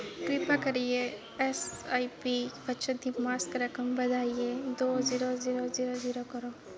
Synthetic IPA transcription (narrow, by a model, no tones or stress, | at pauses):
kɾipakəɾije | esajpibɐt͡ʃəd̪imaskɾəkəmbɐd̪ʱaːijed̪oːziɾoziɾoziɾoziɾokɔɾo